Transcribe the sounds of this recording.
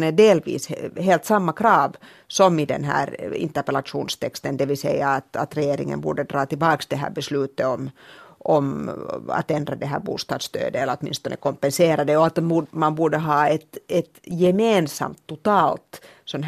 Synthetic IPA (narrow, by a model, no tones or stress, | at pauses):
nɛɖeːlʋḭːsɦeːlt̪sɑmːakɾɑːʋ | sɔmɪd̪ɛ̰nɦæ̰ːɾɪ̰nt̪əpɛlɑʂuːnst̪ʰɛkst̪ənd̪ɛʋɪlsɛ̰jːɑːt̪ɑt̪ɾɛjeːɾɪŋːə̰nbṵːɖəd̪ɾɑːt̪ɪlbɑːksd̪ɛɦæ̰ːɾbɛslʉːt̪ːəɔmɔmɑ̰t̪ɛnd̪ɾad̪ɛɦæ̰ːɾbṵːst̪ɑ̰ːd̪st̪ø̰ːd̪əɛləɾɔt̪mɪ̰nst̪ɔnʔə̰kɔmpɛnseːɾɑd̪əɔɑt̪umɑnbuːɖəɦɑːɛt̪ɛt̪jɛmeːnsɑ̰mt̪ʰːʊt̪ɑːlt̪ | sɔnɦ